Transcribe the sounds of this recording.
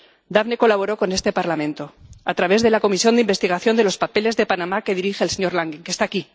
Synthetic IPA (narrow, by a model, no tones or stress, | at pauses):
d̪aβne̞ko̞laβ̞o̞ɾo̞ko̞ne̞st̪e̞paɾlamẽ̞nt̪o̞at̪ɾaβe̞zðe̞lako̞misjo̞nd̪imbe̞st̪iɣ̞aθjo̞nd̪elo̞spape̞le̞zðepanamake̞ð̞iɾixeːlseɲo̞ɾlaŋɡiŋkest̪aːki